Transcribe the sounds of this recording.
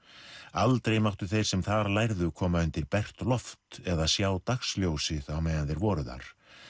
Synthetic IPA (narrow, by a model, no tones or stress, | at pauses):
alt̪ɾejmawht̪ʏθejr̥sɛmθaɾlajɾðʏkʰɔːmaʏnt̪ɪɾpɛr̥t̪lɔft̪ɛðasjaːwt̪axsljowsɪðawmɛːɣanθejɾvɔːɾʏða̰ɾ̥